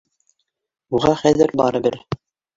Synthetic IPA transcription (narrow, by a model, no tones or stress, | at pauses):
uʁɑχæðɘɾbɑ̰ɾɤ̆bɘɾ